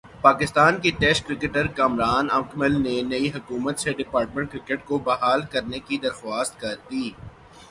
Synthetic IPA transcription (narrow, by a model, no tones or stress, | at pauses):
paːkɪst̪aːnkiʈɛːskɾɪkəʈəɾkaːmɾaːnɐmkʰməlnenɐiɦɐkuːmət̪seɖɪpaːɾʈ̚mẽɳʈ̚kɾɪkəʈkobɐɦaːlkɐɾnekid̪ɐɾxwaːst̪̚kɐɾd̪iː